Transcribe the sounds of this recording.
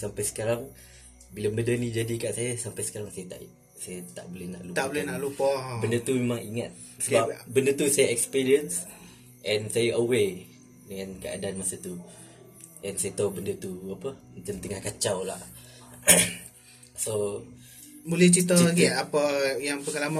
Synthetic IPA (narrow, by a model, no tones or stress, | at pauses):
sampajsə̥kaɾaŋ | bilamədənĩd͡ʒadikaʔsajasampajsə̥kaɾaŋsajat̪a̰ʔ | sajat̪a̰ʔbolɛhna̰ʔlut̪abolɛhnaʔlupɔbəndət̪umemaŋiŋat̪̚ | səbapbəndət̪usajaɛkspiɾiəns | ʔɛnsajaʔəwe | dəŋankəa̰daanmasət̪u | ʔɛnsajat̪awbəndət̪uapəmət̪əmt̪əŋahkat͡ʃawlaʔ | so | bulɛht͡ʃit̪əaɡiapəjaŋpəŋalama